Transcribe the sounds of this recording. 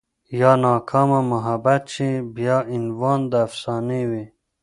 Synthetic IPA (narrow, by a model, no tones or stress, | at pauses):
jɑːnɑːkʰɑːmamaɦabat̪t͡ɕʰibijɑːinwɑːnd̪aːfsɑːniwi